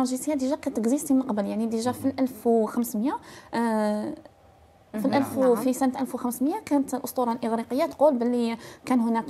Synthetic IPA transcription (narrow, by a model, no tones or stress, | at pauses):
ɑʒisəjːad̪iʒækænt̪ːəɡzist̪imnəqbəljaʕnid̪iʒæfilʔælfwxəmsməjæ | filʔælffisənt̪ʔælfwxəmsməjækænət̪lʔʊst̪uɾˤɑlʔəɣɾiqəjːat̪qulbəlːikænhʊnæk